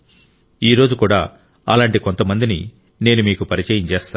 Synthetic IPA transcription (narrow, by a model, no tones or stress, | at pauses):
iːɾo̞ːd͡ʒukuːɽa̰ː | ɐlaːɳʈiko̞nt̪ɐmɐnd̪inḭ | ne̞ːnumiːkupɐɾit͡ʃɐjɐɲt͡ʃeːst̪aː